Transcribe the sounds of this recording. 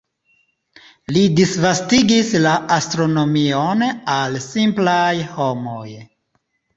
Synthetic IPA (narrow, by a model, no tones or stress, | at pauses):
lidisvastiɡislaʔastɾo̞no̞mionalsimplajho̞mo̞j